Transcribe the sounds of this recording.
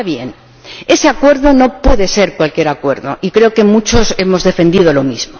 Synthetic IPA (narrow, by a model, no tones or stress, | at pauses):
aβje̞̰n | e̞se̞akwe̞ɾðo̞no̞pwe̞ðe̞se̞ɾkwalkje̞ɾakwe̞ɾðo̞̰ikɾe̞oke̞mut͡ʃo̞se̞mo̞zðe̞fe̞nd̪iðo̞lo̞mizmo